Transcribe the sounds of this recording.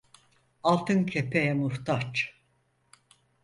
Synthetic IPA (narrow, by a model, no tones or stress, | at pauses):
alˠt̪ʰɯncʰepʰejɛmuɾt̪ʰat͡ʃ